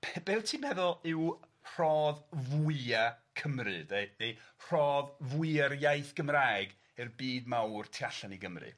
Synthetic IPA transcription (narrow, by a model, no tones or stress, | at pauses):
bbeːwtʰiːmɛðʊlˠɪw | r̥ɔːðvʊakʰəmrɨ̰dejnejr̥ɔːðvuɨarjajθɡ̥əmraːjɡ | ɨrbiːd̚mawrtʰiaɬaniɡəmrɨ̰